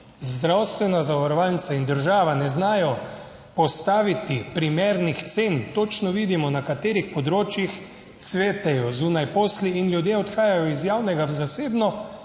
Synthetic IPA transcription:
zd̪ɾawst̪ʋɛnazaʋaɾɔʋalnisaind̪əɾʒaːʋanɛznaːjɔ | pɔst̪aːʋit̪ipɾimeːɾnixt̪seːnt̪oːt͡ʃnɔʋiːd̪imɔnakat̪eːɾixpɔd̪ɾoːt͡ʃjix | t̪sʋeːt̪ɛjɔzuːnajpoːsliːnljud̪jeːɔt̪xaːjajɔizjaːwnɛɡawzaseːbnɔ

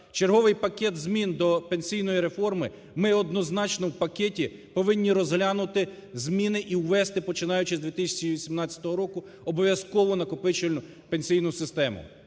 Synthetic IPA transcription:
t͡ʃeɾrɦɔʋɪjpɐkʲɛt̪zmʲind̪ɔpenʲsʲijnɔjiɾe̞fɔrmɪ | mɪɔd̪nɔznɑt͡ʃnɔwpɐkʲɛtʲipɔʋɪnʲːiɾɔzɦlʲanʊt̪ɪ | zmʲinɪʔiwʋɛst̪ɪpɔt͡ʃɪnɑjʊt͡ʃɪzʲd̪ʋʲit̪ɪsʲt͡ʃiʋʲisʲimnɑt͡sʲɐ̥t̪ɔɦɔɾɔkʊ | ɔbɔʋjɐskɔʋɔnɐkɔpɪt͡ʃɪlʲnʊ | penʲsʲijnʊsɪst̪ɛmʊ̰

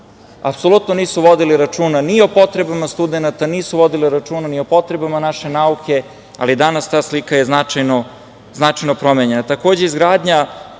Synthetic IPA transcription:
a̰pso̞lˠut̪noniːsuʋo̞d̪iliɾat͡ʃuːnanio̞po̞t̪ɾe̞bamast̪ud̪e̞nat̪aniːsuʋo̞d̪iliɾat͡ʃuːnanio̞po̞t̪ɾe̞bamanaʃe̞naukʰe̞ | a̰lid̪anast̪aːslikajeznat͡ʃajno | znat͡ʃajno̞pɾo̞meɲe̞nat̪ako̞ːd͡ʑe̞izɡɾaːd̪ɲa

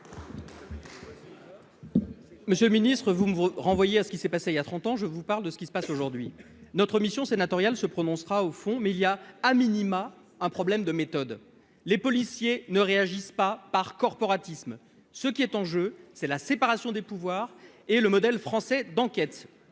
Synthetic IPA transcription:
məsjølminist̪χəvumʁɑ̃vwajeasə̥kʲisɛpaseiljat̪χɑ̃t̪ɑ̃ʒəvupaʁld̪əsə̥kʲisə̥pasoʒuʁd̪ɥi | nɔt̪χəmisjɔ̃senat̪ɔʁjalsəpχɔnɔ̃sχaofɔ̃mɛiliaaminima | ɛ̃pχɔblɛmd̪əmet̪ɔd̪ | lepɔlisjenəʁeaʒispapaʁkɔʁpɔʁat̪ism | səkʲiɛt̪ɑ̃ʒøsɛlasepaʁasjɔ̃d̪epuvwaʁ | eləmɔd̪ɛlfχɑ̃sɛd̪ɑ̃kʲɛt̪

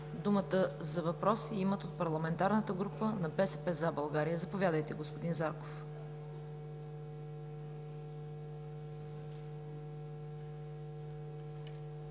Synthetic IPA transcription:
d̪umət̪əzɐvɐpɾɔsiimət̪ot̪̚pɐɾlˠɐmɛnt̪aɾnət̪əɡɾupənɐbɛsɛpɛzabɐlˠɡaɾijəzɐpovʲjad̪əjt̪ɛɡospod̪inzaɾko̥f

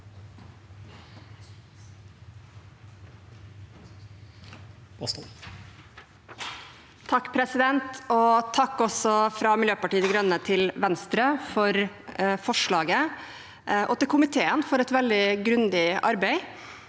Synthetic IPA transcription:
s | t̪ʰɑkːpʰɾɛsɪd̪ɛnt̪ot̪ʰɑkːɔsɔfɾɑːmɪljøːpɑʈiːəd̪iɡɾœnːət̪ʰɪlʋɛnst̪ɾəfɔɾ | fɔʂɭɑːɡə | ʔot̪ɪlkʰʊmɪt̪ʰeːənfɔɾɛt̪ʋɛld̪ɪɡɾʉnd̪ɪɑ̰ɾbɛɪ

